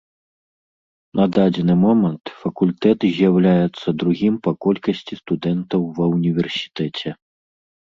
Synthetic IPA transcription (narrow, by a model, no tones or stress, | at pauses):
nɐd̪ad͡zʲɛnɨmɔmɐnt̪fɐkulʲt̪ɛt̪zʲjawlʲajɛt̪sːɐd̪ɾuɣʲimpɐkɔlʲkɐsʲt͡sʲist̪ud̪ɛnt̪ɐwvɐunʲivʲɛrsʲi̥t̪ɛt͡sʲɛ